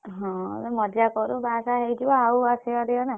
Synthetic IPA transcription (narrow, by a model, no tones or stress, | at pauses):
ɦɔ̰̃emɔd̪ʱjakɔɾubasaɦejd͡ʒibɔɦawasiɔd̪ijɔna